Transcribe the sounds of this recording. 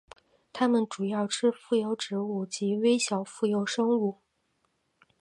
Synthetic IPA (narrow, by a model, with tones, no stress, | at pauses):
t̪ʰa˥mə˨nʈ͡ʂu˨˩jɑ˥˩ʊʈ͡ʂʰɻ̩˥fu˥˩jo˧˥ʊʈ͡ʂɻ̩˧˥u˥˩t͡ɕi˧˥we˥ɪɕjɑ˨˩ʊfu˥˩jo˧˥˩ʊʂɤ˥ŋu˥˩